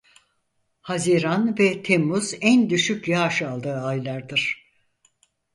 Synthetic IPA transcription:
haziɾanvɛt̪ʰemːuz̥ænd̪yʃycjaʃalˠd̪ɯːajlˠaɾd̪ɯɾ̥

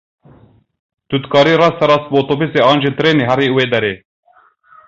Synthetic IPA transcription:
t̪ut̪kʰɑːɾiːɾɑːst̪ɛɾɑːst̪̚boːt̪obiseɑːnd͡ʒet̪ɾeːneɦɛɾiweːd̪ɛɾeː

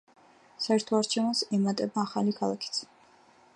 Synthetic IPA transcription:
saɛɾt̪ʰɔaɾt͡ʃʰɛvnasɛmat̪ʼɛbaːχalikʰalˠakʰi̥t̪sʰ

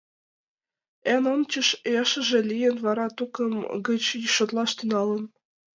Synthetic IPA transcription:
ænɤnt͡ɕɤ̆ʃjɑʃə̆ʒĕlijə̆nβɑɾɑt̪ukɤ̆mɡɤ̆t͡ɕjʃŏt̪lɑʃt̪ynɑlɤ̆n

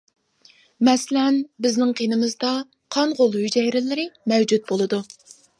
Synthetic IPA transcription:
mɛslɛnbɪznɪŋqʰenɪmɨzd̪ɑ | qʰɑɴʁolˠhyd͡ʒɛjɾɪlɪɾɪmɛwd͡ʒut̪̚bolˠɨd̪u

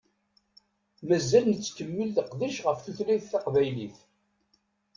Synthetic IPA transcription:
mæzːælnət͡sːkːəmːəlθəqðiʃʁəfθuθliðθɑqvæjliθ

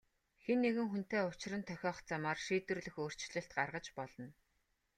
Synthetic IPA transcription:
xenːeɣɘ̆ŋxun̥t̪eːʊt͡ɕɪ̆rə̆nt̪ʰœxʲɔːχt͡samaːrʃiːt̪wɘ̆rɮɘ̆xoːr̥t͡ɕɮɘ̆ɬt̪̚ɢarʁə̆t͡ɕpɔɮɞ̆n

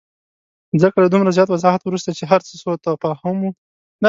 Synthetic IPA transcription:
zəkalad̪umɾazjɑt̪wazɑɦat̪wɾust̪at͡ʃeɦaɾt͡səsot̪apahamu | na

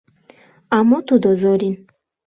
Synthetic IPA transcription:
amɔt̪ud̪ɔzɔɾin

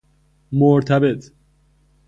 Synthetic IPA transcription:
moɾt̪ʰæbet̪ʰ

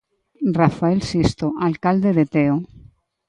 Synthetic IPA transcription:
rafaelsist̪oʔalkald̪eðet̪eo

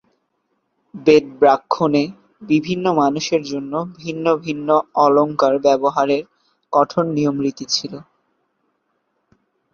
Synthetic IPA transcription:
bet̚bɾakʰːone | bibʱinːomanuʃeɾd͡ʑonːobʱinːobʱinːoɔloŋkaɾbɛboɦaɾeɾ | kɔʈʰonːiomɾit̪it͡ɕʰilo

